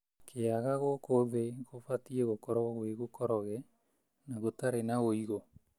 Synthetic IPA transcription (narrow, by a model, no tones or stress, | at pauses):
kʰeaɣaɣokoβeɣofatiɛɣokɔɾɔɣweɣokɔɾɔɣɛ | naɣotaɾenaoiɣo